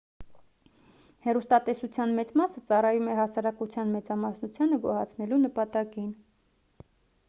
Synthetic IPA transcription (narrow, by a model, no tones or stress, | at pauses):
hɛrust̪ɑt̪ɛsut͡sʰjɑnmɛt͡smɑsət͡sɑrɑjumɛɦɑsɑɾɑkut͡sʰjɑnmɛt͡sɑmɑsnut͡sʰjɑnəɡɔhɑt͡sʰnɛlunəpɑt̪ɑkin